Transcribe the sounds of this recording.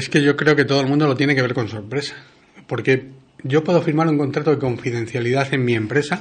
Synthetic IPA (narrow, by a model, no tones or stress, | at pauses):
eske̞ʝo̞kɾe̞o̞ke̞t̪oolmũnd̪olo̞t̪jeneke̞β̞e̞ɾko̞nso̞ɾpɾe̞sḁ | po̞ɾke̞ | ɟ͡ʝo̞pwe̞ð̞o̞fiɾmaɾuŋko̞nt̪ɾat̪oðe̞ko̞ɱfiðe̞nθjaliðaθe̞mmie̞mpɾe̞sa